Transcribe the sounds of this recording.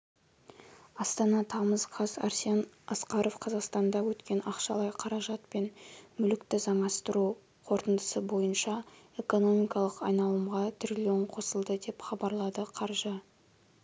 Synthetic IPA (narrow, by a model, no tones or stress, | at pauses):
ɑst̪ɑnɑt̪ʰɑməzqʰɑzɑ̰ɾsiɑn | ɑsqɑɾo̞fqʰɑzɑqst̪ɑnd̪ɑwɵt̪kʲe̞nɑqʃɑlˠɑjqʰɑɾɑʒɑt̪̚pe̞nmʏlɪkt̪ɪzɑmɑst̪əɾu | qʰo̞ɾt̪ənd̪əsəbo̞jənʃɑe̞ko̞no̞mijkɑlˠəqɑjnɑlˠəmʁɑt̪ʰɾʲilʲoɴqʰo̞səlˠd̪əd̪e̞pχɑbɑɾlˠɑd̪əqʰɑɾʒə